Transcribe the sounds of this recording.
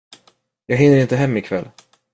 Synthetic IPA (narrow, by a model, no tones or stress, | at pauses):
jɑːɡɦɪnːəɾɪnt̪əɦɛmːɪkʰvɛlː